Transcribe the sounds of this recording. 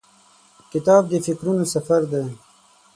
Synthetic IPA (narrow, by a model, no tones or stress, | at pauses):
kɪt̪ɑːb̚d̪əfɪkɾunosafaɾd̪e